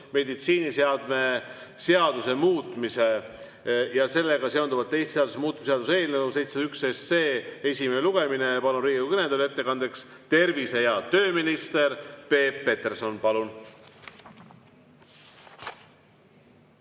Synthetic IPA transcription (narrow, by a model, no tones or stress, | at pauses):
me̞d̪it̪siːniseɑd̪̥me̞seɑd̪use̞muːt̪ˑmise̞ | jɑse̞lːe̞ɡ̥ɑse̞o̞nd̪uvɑt̪t̪ːe̞jst̪seɑd̪usemuːt̪̚ːmiseɑd̪useːlnevusejt̪seyksesːeːesʲimeeluɡ̥emine̞pɑnuɾiːɡukɯned̪ulet̪ːe̞kɑnd̪̥ekst̪e̞rvise̞jɑt̪ø̞ːminist̪e̞ɾpe̞ːpːe̞t̪e̞rso̞npɑlun